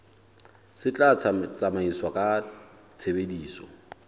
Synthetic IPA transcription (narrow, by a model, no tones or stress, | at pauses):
sɪt͡ɬʼat͡sʰat͡sʼamaiswakʼa | t͡sʰebediːsɔ̰